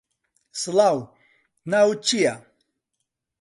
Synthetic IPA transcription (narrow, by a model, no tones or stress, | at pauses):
slaw | nawt͡ɕija